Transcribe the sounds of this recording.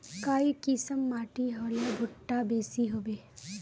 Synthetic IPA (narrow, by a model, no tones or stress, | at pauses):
kaːikisəmːaːʈiɦoːlebʱʊʈːabeːsiɦoːbeː